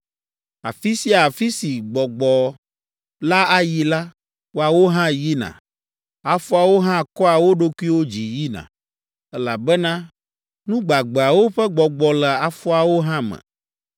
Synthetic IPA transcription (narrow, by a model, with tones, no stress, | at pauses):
a̰˨fi˦si˦a˨fi˦si˨ɡ͡bɔ˨ɡ͡bɔ˨ | la˦a˦ji˦la˦ | wo˦a˨wo˦ɦã˦ji˦nã̰˨ | a˨fɔ˦a˨wo˦ɦã˦˨kɔ˦a˨wo˦ɖo˦kʷu˦i˦wo˦d͡ʑi˨ji˦nã̰˨ | ɛ˦la˨bɛ˦nã˦ | nũ˦ɡ͡ba˨ɡ͡bɛ˨a˨wo˦ɸɛ˦ɡ͡bɔ˨ɡ͡bɔ˨lɛ˨a˨fɔ˦a˨wo˦ɦã˦mɛ̰̃˨